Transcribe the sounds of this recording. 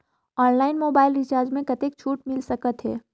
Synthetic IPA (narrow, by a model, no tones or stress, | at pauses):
ɔːnlaːɪnmoːbaːɪlɾɪt͡ʃaːɾd͡ʒmẽkɐt̪ek̚t͡ʃʰuːʈmɪlsɐkət̪ɦɛ̰ː